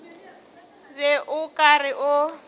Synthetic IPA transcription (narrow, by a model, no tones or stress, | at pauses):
bɛʔʊkʼarɪʔʊ